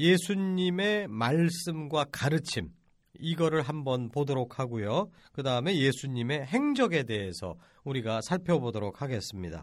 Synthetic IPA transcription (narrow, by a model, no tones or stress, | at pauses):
je̞sʰuɲime̞maɭs͈ɯmɡwakaɾɯt͡ɕʰim | iɡʌɾɯɭɦambʌnpodoɾokʰaɡujo | kɯdaɯme̞je̞sʰuɲime̞ɦe̞ŋd͡ʑʌɡe̞de̞ɦe̞sʰʌ̰ | uɾiɡasʰaɭpʰjʌbodoɾok̚ʰhaɡe̞s͈ɯmɲida̰